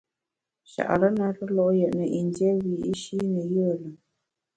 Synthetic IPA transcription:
ʃa̰˨ʔa̰˨ɾə˦na˦ɾə˦lɔ˦ʔjə˨ʔnə˨ʔi˨ndjɛ˦wi˨i˦ʃi˦nə˨jə˦˨lə˨

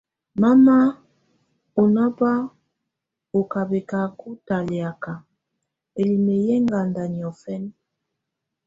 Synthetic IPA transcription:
ma˦ma˦ | o˨na˦ba˦ | o˨ka˨be˨ka˨ku˦ta˨le˨a˨ka˨ | e˨li˨me˨jɛ˦ŋɡa˨nda˨ni˨ɔ˨fɛ˦n˦

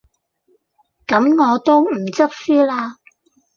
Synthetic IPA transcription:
kɐ˨˥mŋɔː˨˧t̪o˥wm̩˨˩t͡sɐ˥k̚syː˥laː˥

